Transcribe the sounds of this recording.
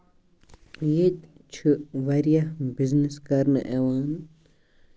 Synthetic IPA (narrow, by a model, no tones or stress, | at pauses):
jet̪ | t͡ʃʰɨʋɐɾijabizniskɐɾnɨʔeʋaːn